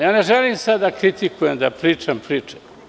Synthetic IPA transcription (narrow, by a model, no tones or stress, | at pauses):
jaːneʒelimsad̪ːakɾit̪ikujemd̪apɾiːt͡ʃampɾiːt͡ʃe̥